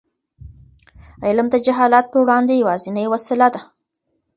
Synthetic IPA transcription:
ɪlamd̪əd͡ʒaɦɑlat̪̚pəwɽɑnd̪ejawɑzɪnəjwasɪlad̪a

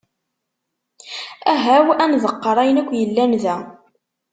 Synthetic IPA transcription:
æɦæwænðəqːəɾˤæjənækʷːjəlːænðæ

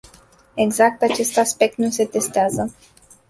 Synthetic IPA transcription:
e̞ɡzak̚t̪at͡ʃe̞st̪aspe̞k̚t̪nuse̞t̪e̞st̪eazə

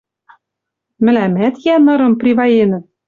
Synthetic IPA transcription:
mɘ̆læmæt̪jænɤ̆ɾɤ̆mprʲiβɑjenɘ̆t̪

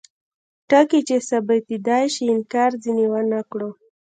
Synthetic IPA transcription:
ʈakit͡ʃesabat̪id̪ɑjʃiɪnkɑɾziniwanakɽo

